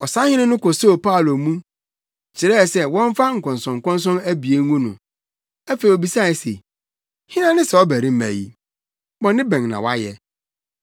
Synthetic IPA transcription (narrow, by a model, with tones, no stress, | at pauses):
ɔ˨sã˦hɪ̃˦nã˦nʊ̃˦ko˨so˦˨pa˦˨lo˨mũ˦ | t͡ɕʰɪ˨ɾɛ˦˨sɛ˦wɔ̃˦ɱ˦fa˦ŋ̩˨kʰɔ̃˨n˨sɔ̃˨ŋ̩˨kɔ̃˦ns̬ɔ̃˦mæ˦bi˨e˨˦ŋũ˦nʊ̰̃˨ | æ˦fe˨i˨o˨bi˨sa˦˨i˨sḛ˨ | hɪ̃˦nã˦nɪ̃˦sɛ˨ɔ˦bæ˨ɾĩ˦m̩˦mæ̰˨jḭ˦ | bɔ̃˨nːɪ̃˦bɛ̃˨ŋnã̰˨wa˦jɛ̰˦